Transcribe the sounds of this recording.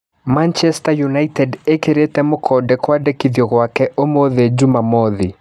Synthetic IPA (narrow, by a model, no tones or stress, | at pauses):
mant͡ʃɛstajunaitɛdekeɾetɛmokʰɔdɛkwadekiðjɔɣwakɛʔomoðed͡ʒumamɔði